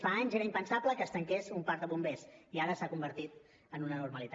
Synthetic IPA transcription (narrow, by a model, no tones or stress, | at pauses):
faaɲzeɾəimpənsapləkəːst̪əŋkesumpaɾd̪əβumbesiaɾəsakumbəɾt̪it̪ | ənunənuɾməlit̪